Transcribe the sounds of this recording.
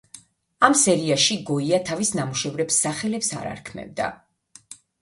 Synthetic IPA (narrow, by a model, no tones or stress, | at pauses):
amsɛɾiaʃiɡɔiat̪ʰavisnamuʃɛvɾɛpsːaχɛlɛpsa̰ɾa̰ɾkʰmɛ̰vd̪a̰